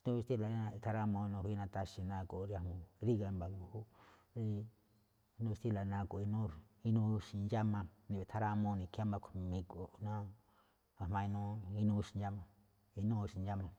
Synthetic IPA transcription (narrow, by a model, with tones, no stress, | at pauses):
t̪ũ˦i˧t̪i˦la˨˦nã˧t̪ʰa˧ɾa˦mõ˧nũ˧hi˦˧nã˧t̪a˧ʃi˧nã˧ko˨˧ɾja˧hmõ˧ɾi˦ɣa˧mba˨ŋu˧˨hu˦ | ɾi˦ | nũ˦˧st̪i˦la˨nã˧ko˨˧i˧nũ˦i˧nũ˦ʃi˨˧nd͡ʒa˦mã˧nĩ˧βe˨t̪ʰa˦ɾa˦˧mõ˧nĩ˧ka˦mã˧ku˨˧mĩ˧ku˨nã˦ | a˨mã˧i˧nũ˦i˧nũ˦˧ʃi˧nja˦mã˧ | i˧nũ˦˧ʃi˨nja˦mã˧